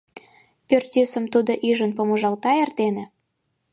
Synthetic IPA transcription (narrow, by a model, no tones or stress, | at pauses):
pʲørt̪ʲisə̆mt̪ud̪oʔiʒənpomoʒɑlt̪ɑert̪enĕ